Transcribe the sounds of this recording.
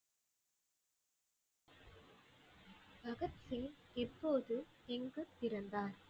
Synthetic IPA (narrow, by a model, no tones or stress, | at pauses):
bʱɐɣɐt̪sɪŋɪpːoːðɯɪŋɡɯp̪ːɪɾɐnd̪aːɾ